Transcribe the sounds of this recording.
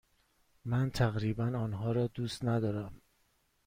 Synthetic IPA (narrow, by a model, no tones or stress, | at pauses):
mænt̪ʰæɣɾiːbænɒːnɦɒːɾɒːd̪uːst̪næd̪ɒːɾæm